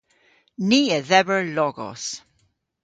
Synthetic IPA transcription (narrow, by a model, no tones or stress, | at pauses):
niːəðɛbəɹlɔɡɔ̰s